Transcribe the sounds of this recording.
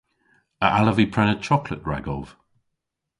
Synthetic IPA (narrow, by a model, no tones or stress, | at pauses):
əʔaləvipʰɹɛnətʰɹ̥ɔpʰlə̰ʔ̚ɡ̥ɹa̰ɡɔlˠv̥